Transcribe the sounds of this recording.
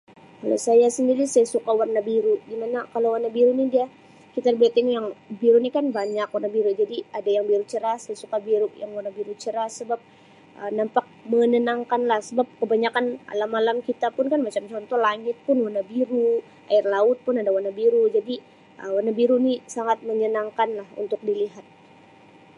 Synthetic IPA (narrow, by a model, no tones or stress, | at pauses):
kalo̰sajasəndiɾisajasukawarnabiɾudimanakalowarnabiɾunidia | kit̪arbat̪iŋjaŋbiɾunikanbaɲakwarnabiɾud͡ʒadiadajaŋbiɾut͡ʃəɾahsajasukabiɾuʔjaŋwarnabiɾut͡ʃəɾasəbap̚ | ʔənampak̚məɲənaŋkanlahsəbap̚kəbaɲakanma̰lamːalamkit̪apʊnkanmat͡ʃamt͡ʃɔnt̪ɔlaŋɪt̪̚pʊnwanabiɾu | ʔaɪrlaʊt̪̚pʊnadawanabiɾud͡ʒadi | ʔəwanabiɾunisaŋat̪̚məɲənaŋkanlahṵnt̪ʊk̚diliɦat̪̚